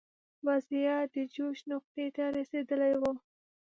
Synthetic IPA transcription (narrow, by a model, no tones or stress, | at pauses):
wazijɑd̪əd͡ʒoʃnʊq̚t̪et̪aɾased̪əlajwo